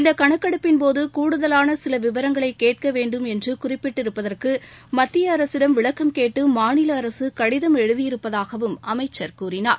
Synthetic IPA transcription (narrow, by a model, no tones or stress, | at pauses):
ɪnd̪ɐkɐɳɐkːɐɽɯpːɪnpoːðɯkuːɽɯðɐlaːnɐsɪlɐʋɪʋɐɾɐŋɡɐɭɐɪkːeːʈ̚kɐʋeːɳɖɯmɛndrɯkʊrɪpːɪʈːɪɾɯpːɐðɐrkɯmɐt̪ːɪjɐːɾɐsɪɽɐmʋɪɭɐkːɐmkeːʈːɯmaːnɪlɐːɾɐsɯkɐɽɪðɐmɛɻɯðɪjɪɾɯpːɐðaːɣɐʋɯmɐmɐɪt͡ʃːɐɾkuːrɪnaːɾ